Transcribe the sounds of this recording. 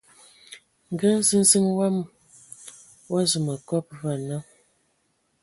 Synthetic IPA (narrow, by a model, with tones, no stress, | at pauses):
ŋ̩˨ɡə˦n˦zi˦n̩˦zi˦ŋwa˦m˦ | wa˦zə˨mə˨kɔ˦p̚va˨na˦